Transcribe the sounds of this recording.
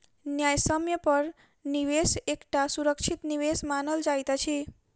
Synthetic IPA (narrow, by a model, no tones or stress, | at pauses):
njajsəmjəpəɾ | niʋesekʈasuɾəkt͡ʃʰit̪niʋesmanəld͡ʒajt̪at͡ʃʰi